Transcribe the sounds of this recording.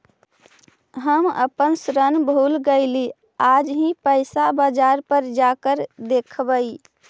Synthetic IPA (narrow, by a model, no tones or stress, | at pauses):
ɦəmə̰pənsɾənbʱulɡəɪli | ad͡ʒɦĩpəɪsabad͡ʒaɾpəɾd͡ʒakəɾd̪ekʰbəi